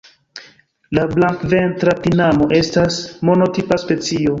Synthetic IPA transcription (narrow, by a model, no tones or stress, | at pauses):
lablaŋkve̞ntɾatinamo̞ʔe̞stasmo̞no̞tipaspe̞t͡sio̞